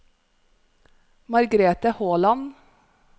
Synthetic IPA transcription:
mɑɾɡɾeːt̪əhoːlɑn

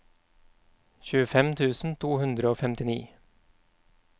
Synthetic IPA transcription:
çʉːəfɛmt̪ʰʉːsn̩t̪ʰuːhʉnd̪ɾəoːfɛmt̪ɪnḭː

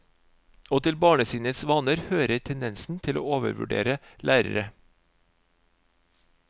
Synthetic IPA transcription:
oːt̪ʰɪlbɑːɳəsiːnəsʋɑːnəɾhøːɾəʈʰɛnd̪ɛnsn̩t̪ʰɪlo̰ːoːʋə̰ɾʋʉ̰ɖḛːɾəlʔæːɾə̰ɾə

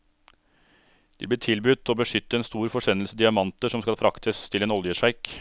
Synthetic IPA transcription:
d̪̥ḭːbliːʈʰɪlbʉt̪ːoːbəʂʏt̪ːəeːnst̪uːɾfɔʂɛnəlsəd̪ɪɑmɑnt̪əʂɔmskɑlfɾɑkt̪ʰəst̪ʰɪleːnɔljəʂæɪk

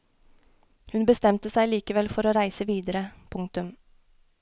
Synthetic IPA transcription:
hʉnbəst̪ɛmt̪əsæɪliːkəʋɛlfɔɾoːɾæɪsəʋiːd̪əɾəpʰʊŋkt̪ʉm

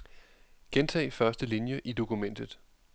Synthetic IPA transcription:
ɡ̥ent͡sʰɛ̰ːɪfɶɐsd̥əlinjəʔid̥o̝kumen̰d̥ð̞̩ˠ

